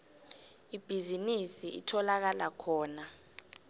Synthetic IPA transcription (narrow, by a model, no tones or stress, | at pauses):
ib̥ʱizinisiḭtʰɔlak̬alakʰɔːna